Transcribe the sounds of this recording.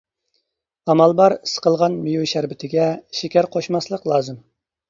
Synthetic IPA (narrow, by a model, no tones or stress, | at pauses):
ɑmɑlˠbɑɾisə̥qəlˠʁɑnmijuʃæɾbɪt̪ʰɪɡʲɛʃekʲæɾqʰoʃmɑslˠəqlˠɑːzɨm